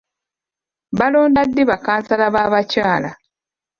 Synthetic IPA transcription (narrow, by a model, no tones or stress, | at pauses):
βalo̞ːndadːiβakaːnsalaβaːβacaːla